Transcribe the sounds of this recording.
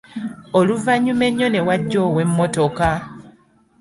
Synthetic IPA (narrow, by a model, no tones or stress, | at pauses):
oluvaɲume̞ɲːo̞ne̞waɟːo̞ːwe̞mːo̞to̞ka